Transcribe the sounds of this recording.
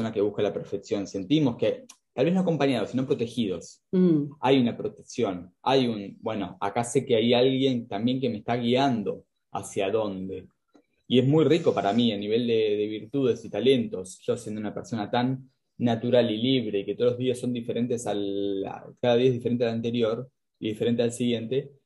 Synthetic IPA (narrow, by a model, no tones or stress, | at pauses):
sonake̞β̞uhkalapeɾfeksjo̞nse̞nt̪imo̞sket̪alβe̞noako̞mpaɲað̞osinompɾo̞t̪e̞xið̞o̞s | a̰junapɾo̞t̪e̞ksjo̞najunbwe̞no̞̰a̰kase̞keajalɣje̞ŋt̪ambje̞ŋk̬e̞mest̪aɣ̞iand̪o̞ | a̰sjaðo̞nd̪e̞ | ie̞smujriko̞paɾamianiβe̞ld̪eðe̞β̞iɾt̪uð̞e̞sit̪ale̞nt̪o̞sʒ̥o̞sje̞nd̪ounapeɾso̞nat̪anː | at̪uɾaliliβɾe̞iket̪oloɦðiasːo̞nd̪ife̞ɾe̞nt̪e̞sala̰kaðaðiaeðifeɾent̪ealant̪e̞ɾjo̞ɾ | iðifeɾent̪ealsiɣje̞nt̪e̞